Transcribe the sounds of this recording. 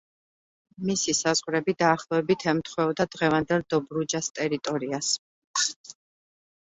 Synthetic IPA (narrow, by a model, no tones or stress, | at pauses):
misisazʁɾɛbid̪aːχlˠɔɛbit̪ʰɛmt̪ʰχwɛɔd̪ad̪ʁɛvand̪ɛlˠd̪ɔbɾud͡ʒast̪ʼɛɾit̪ʼɔɾias